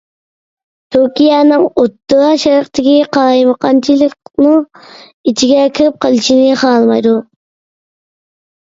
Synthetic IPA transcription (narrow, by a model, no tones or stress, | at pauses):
t̪ʰuɾkʲijɑnɨŋot̪ːɑʃɑɾqt̪ʰɪkʲiqɑɾɑjməqʰɑnt͡ʃʰilˠɪknɨ | it͡ʃʰiɡʲɛkʲʰeɾɪp̚qʰəlˠɨʃinɪχɑːlˠmɑjd̪u